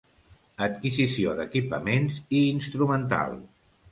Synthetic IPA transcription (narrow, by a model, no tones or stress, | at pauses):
ət̪kizisioðəkipəmenziːnst̪ɾumənt̪a̰lˠ